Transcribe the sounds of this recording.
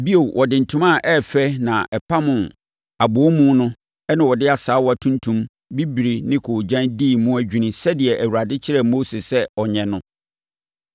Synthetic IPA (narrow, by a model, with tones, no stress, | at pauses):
bi˦o˨wʔɔ˨dɪ̃˨n̩˨tʰũ˦mã˦˨ʔɛ˦˨fɛ˦nã˨ʔɛ˨pʰa˦mʊ̃˨ | a˨bʊ˨ɔ˦mũ˦nʊ̃˦ | ɛ˦nã˨wɔ˨dɪ˦a˨saː˨˦wɔ˦a˨tʰũ˦ntʰũ˦m | bi˦bi˨ɾi˨nɪ̃˦kʰo˨d͡ʑã˦ndi˦˨mũ˦æ˦d͡ʑᶣu˦nĩ˨sɛ˦dɪ˨ɛ˨ʔæ˨wu˨ɾa˨dɪ˦t͡ɕʰɪ˦ɾɛ˦˨mo˦se˨sɛ˦ɔ˨ɲɛ̃˨nʊ̃˦